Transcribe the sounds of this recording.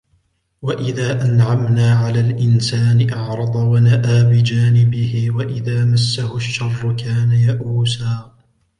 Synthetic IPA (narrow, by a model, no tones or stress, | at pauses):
waʔɪðaːʔanʕamnaːʕalaːlʔɪnsaːnɪʔɑʕɾˤɑd̪ˤɑwanaʔaːbɪd͡ʒaːnɪbɪhɪwaʔɪðaːmasːahʊaʃːɑrˤːʊkaːnajaʔuːsaː